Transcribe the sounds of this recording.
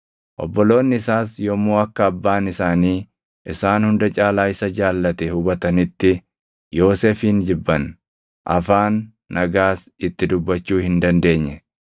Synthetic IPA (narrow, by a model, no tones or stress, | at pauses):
ʔɔbːɔlo̞ːnːɪɪsaːsjɔmːuːɐkːɐːbːaːnɪsaːniː | ʔɪsaːnhʊnd̪ɐt͡ʃʼaːlaːɪsɐd͡ʒaːlːɐt̪ɛhʊbɐt̪ɐnɪt̪ːɪ | jo̞ːsefiːnd͡ʒɪbːɐn | ʔɐ̰faːnː | ɐɡaːs | ɪt̪ːɪd̪ʊbːɐt͡ʃːuːhɪnd̪ɐnd̪e̞ːɲːɛ